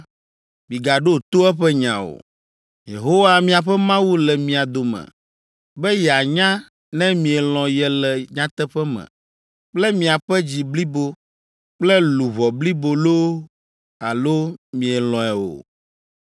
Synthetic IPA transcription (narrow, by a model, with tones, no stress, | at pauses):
mĩ˨ɡa˨ɖo˦t̪o˦ɛ˦ɸɛ˦ɲã̰˨o̰˨ | jḛ˨ɦo˦wa˦mĩ˦a˨ɸɛ˦mã˦wu˦lɛ˨mĩ˨a˨d̪o˨mɛ̰̃˨ | bɛ˦jɛ˨a˨ɲã˦ | nɛ̃˦mĩ˨ɛ˨lɔ̃˨jɛ˦lɛ˨ɲã˦t̪ɛ˦ɸɛ˦mɛ̰̃˨ | k͡plɛ˦mĩ˨a˨ɸɛ˦d͡ʑi˨bli˦bo˦ | k͡plɛ˦lu˨βɔ˨bli˦bo˨lo˦ | a̰˨lo˦mĩ˨ɛ˨lɔ̃˨ɛ˨wo̰˨